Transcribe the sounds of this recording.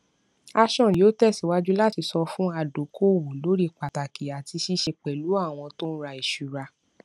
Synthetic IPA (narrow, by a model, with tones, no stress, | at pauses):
a˧ʃɔ̃˦˨ji˨˦o˦tɛ˦˨si˨˦wa˦d͡ʒu˦la˦ti˧sɔ˧fũ˦a˧˨do˨˦kʰo˦˨wu˨lo˨˦ɾi˦k͡pa˨ta˨ki˨a˨ti˧ʃi˦ʃe˧k͡pɛ˨lu˨˦a˦˨w̃ɔ̃˧to˦n̩˦ɾa˧i˨ʃu˨ɾa˧